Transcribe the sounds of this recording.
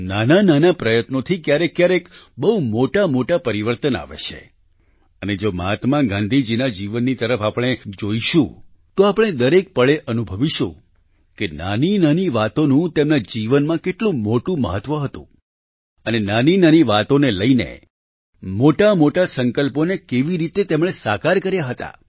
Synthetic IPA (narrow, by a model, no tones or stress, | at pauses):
nanananapɾəjət̪not̪ʰikjaɾekːjaɾekbəɦumoʈamoʈapəɾiʋəɾt̪əna̰ʋḛt͡ʃʰḛ | əned͡ʒoməɦət̪mãɡãnd̪ʱid͡ʒinad͡ʒiʋənːit̪əɾəfapɽ̃ed͡ʒoiʃũ | t̪oapəɽ̃ed̪əɾek̚pəɭeʔənubʱəʋiʃṵ̃ | kena̰ninaniʋat̪onũt̪emnad͡ʒiʋənmãkeʈlũmoʈũmə̰ɦət̪ʋəɦət̪ṵ̃ | ənenaninaniʋat̪oneləinḛ | moʈamoʈasəŋkəlponekeʋiɾit̪et̪emɽ̃esakaɾkəɾjaɦət̪a̰